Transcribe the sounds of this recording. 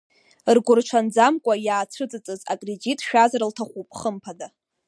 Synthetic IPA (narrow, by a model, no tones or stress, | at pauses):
rɡʷʊrt͡ʃʷʰand͡zamkʷʼajaːt͡sʰɨt͡sʼɨt͡sʼɨza̰kʼred͡ʒitʼʃᶣazaɾltʰaχʷupʼχəmpʰada